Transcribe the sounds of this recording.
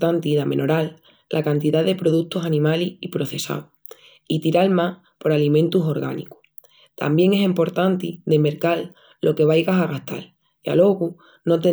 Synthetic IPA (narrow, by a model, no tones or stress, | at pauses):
t̪ant̪iðamẽ̞̰no̞ɾalː | ʔa̰kant̪iðaðe̞pɾo̞ðut̪osanĩmalihipɾo̞θe̞sa̰w | it̪iɾalmah | po̞ɾalimẽnt̪uso̞ɾɣa̰nḭku̥ | t̪a̰mbje̞ŋe̞sempo̞ɾt̪ant̪id̪eme̞ɾkalː | o̞ke̞β̞ajɣasaɣaht̪a̰l | ia̰lo̞ɣu | no̞t̪e